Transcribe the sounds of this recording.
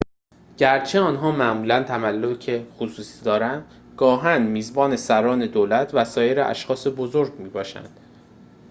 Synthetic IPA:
ɟ̥æɾt͡ʃʰeɒːnɦɒːmæʔmuːlænt̪ʰæmælːocʰexosuːsiːd̪ɒːɾænd̪ | ɡ̥ɒːɦænmiːzbɒːne̞sæɾɒːne̞d̪oːlæt̪ʰvæsɒːje̞ɾeʔæ̰ʃxɒːse̞bozoɾɟmiːbɒːʃæ̰nd̪̥

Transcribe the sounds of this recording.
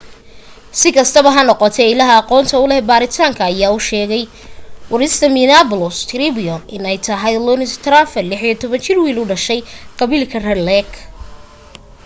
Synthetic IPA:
sɪkʰɐst̪ʰɐβɐɦɐnɔqɔt̪ʰɛɪlɐɦɐːqɔːnt̪ʰɐʊlɛbaːɾɪt̪ʰaːŋkʰɐːjaːʊʃɛːɣɛj | wɐɾɪst̪ʰɐminaːpʊlɔst̪ʰɾibiɔʔɪnɛjt̪ʰɐɦɐjlɔnɪst̪ʰɾaːfɛlɪħijɔt̪ʰɔβɐnt͡ʃʰɪrwiːlʊɖɐʃɛjqɑβilkʰɐrɛlɛɡ

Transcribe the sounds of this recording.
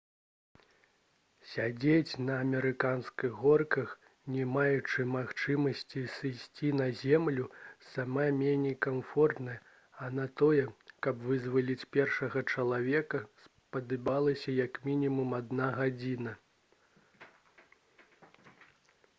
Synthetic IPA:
sʲad͡zʲet͡sʲnɐːmʲɛɾɨkanskɨɣɣɔrkɐx | nʲɛmajut͡ʂɨmaxt͡ʂɨmɐsʲt͡sʲisɨsʲt͡sʲinɐzʲɛmlʲusamamʲenʲɛjkamfɔrt̪nɐj | ɐnɐt̪ɔjɛkɐbvɨzvɐlʲit͡sʲpʲɛrʂɐɣɐt͡ʂɐlˠavʲɛkɐs | pɐd̪ɨbalˠɐsʲɐjɐkmʲinʲimumad̪naɣad͡zʲinɐ

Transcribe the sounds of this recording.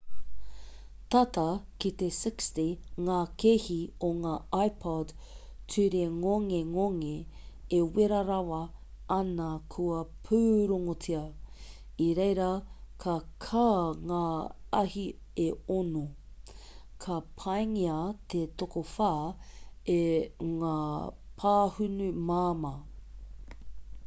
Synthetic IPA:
t̪ɐtɐkit̪esɪkstiŋaːkʰehioŋaːajpʰɔd | tʰʉɾeŋoŋeŋoŋeeweɾɐɾawɐ | ɐnɐkʰuɐpʰʉːɾoŋot͡sʰiɐ | iɾejɾɐkʰɐkʰaːŋaːɐhi | eono | kʰɐpʰajŋiɐt̪ʰet̪okofaː | eŋaː | pʰaːhʉnʉmaːmɐ

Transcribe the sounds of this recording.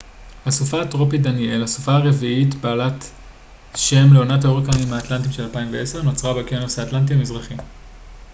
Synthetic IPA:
hasufaːtʁo̞pidanie̞lhasu̥faaʁe̞viitbaːlat | ʃe̞mleonathaoʁekanimhaːtlant̬imʃelalpaimveeseʁno̞t͡sʁabekienosaːtlant̬iamizʁaχim

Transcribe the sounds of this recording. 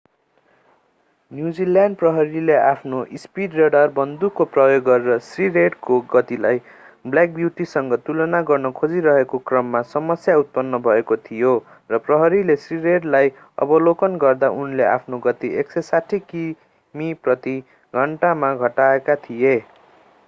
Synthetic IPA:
njud͡zilanɖ̚prʌɦʌɾileapʰnoʔispiɖreɽʌrbʌnd̪ukːoprʌjoɡːʌɾeɾʌsrireɖkoɡʌt̪ilaj | blak̚bjuʈisʌŋɡʌt̪ulʌnaɡʌrnʌkʰod͡ziɾʌɦekokrʌmːasʌmʌsjaut̪̚pʌnːʌbʱʌekot̪ʰijo | rʌprʌɦʌɾilesriɾeɖlaj | ʌ̰bʌlokʌnɡʌrd̪aʔunleʔa̰pʰnoɡʌt̪ieksesaʈʰːiki | miprʌt̪i | ɡʱʌɳʈamaɡʱʌʈaekat̪ʰije

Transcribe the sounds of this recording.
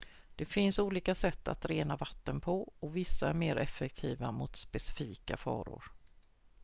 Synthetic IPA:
d̪̥ɛfɪnsuːliːkasɛt̪ʰːa̰t̪ɾeːnavat̪ːənpʰɔɔvɪsːaæɾmeːɾʔɛfɛkt̪ʰiːvamʊt̪spɛsɪfiːka̰fɑ̰ːɾʊ̰ɾ

